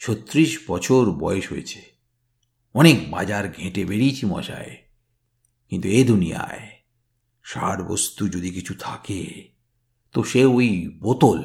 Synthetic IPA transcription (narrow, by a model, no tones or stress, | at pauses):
t͡ɕʰot̪ːɾiʃbɔt͡ɕʰoɾbɔeʃɦo̰et͡ɕʰe̥ | ɔnek̚ba̰d͡ʑaɾɡʱẽʈebeɽijt͡ɕʰimɔ̰ʃa̰e | kint̪ued̪ʱunija̰e | ʃaɾbo̰st̪ud͡ʑod̪ikit͡ɕʰut̪ʰa̰kḛ | t̪oʃeojbot̪ol